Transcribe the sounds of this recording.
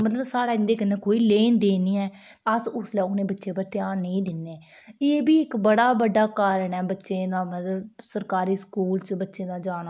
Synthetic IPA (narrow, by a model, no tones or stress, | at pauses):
mət̪ləbsaːɽaːɪnd̪eːkənẽːkoːiːleːnd̪eːniːɛː | əsʊslɛːʊnẽːbətːʃẽːpəɾt̪jaːɾnəĩːd̪ɪnːeː | eːbiːɪkbəɽaːbəɖːaːkaːɾəɳɛːbətːʃẽːd̪aːmət̪ləbsəɾkaːɾiːskuːlt͡ʃbətːʃẽːd̪aːd͡ʒaːɽ̃aː